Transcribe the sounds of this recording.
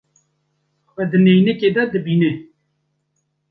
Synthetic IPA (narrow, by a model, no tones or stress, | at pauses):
xwɛd̪ənejneked̪ɐd̪əbiːne